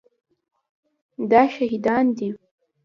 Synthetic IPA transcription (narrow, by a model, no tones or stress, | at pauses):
daʃᶣaɦidandi